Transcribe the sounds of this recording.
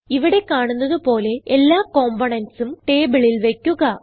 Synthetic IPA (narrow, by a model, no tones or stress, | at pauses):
iʋiɽe̞kaːɳunːɐðupo̞ːle̞elːaːko̞ːmbɐɳɐnsumʈe̞ːbiɭilʋe̞kʲːuɣɐ